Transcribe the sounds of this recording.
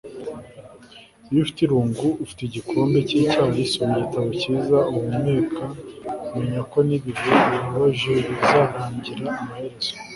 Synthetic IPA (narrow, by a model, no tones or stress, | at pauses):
ijufi̥tiɾuːŋɡuufi̥teɟikʰo̞ːmbe̞ciːcaːhoisomiɟitaβociːzaumumŋeːkʰakume̞ɲako̞niβiɾeiɾaβaʒeiβizaːɾaːɲɟiɾaːmaheɾez̥o̥